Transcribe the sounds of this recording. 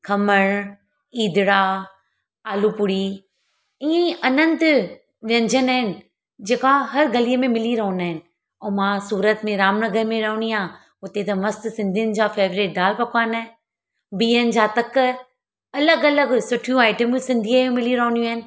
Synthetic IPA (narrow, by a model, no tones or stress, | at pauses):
kʰɐməɽ̃ | iːd̪ɪɽa | aːlupʊɽi | ĩːɐnə̃nt̪ɪ | ʋjɐ̃ɲd͡ʑʱənaːɦɪnɪ̆ | d͡ʑeːkaɦɐɾɡɐliəmẽmɪliɾɐɦʊ̃naːɦɪnɪ̆ | ɛ̃ːmãsuːɾət̪mẽɾaːmnɐɡəɾmẽɾɐɦʊɳiã | ʊt̪et̪ɐmɐst̪sɪ̃nd̪ʱijənɪ̆d͡ʑafeːʋɾeːʈ̚ɖaːlpɐkʰaːn | biːənɪ̆d͡ʑat̪ɐk | ɐləɡɐləɡsʊʈʰijũaːɪʈəmsɪ̃nd̪ʱijajẽmɪliɾɐɦʊnijũaːɦɪnɪ̆